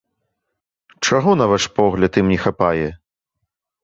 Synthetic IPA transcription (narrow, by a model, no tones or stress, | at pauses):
t͡ʂaɣɔnɐvaʂpɔɣlʲɐt̪imnʲɛxapajɛ